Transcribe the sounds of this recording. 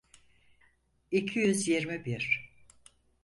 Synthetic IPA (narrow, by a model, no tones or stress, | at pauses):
icʰijyzjeɾmibiɾ̥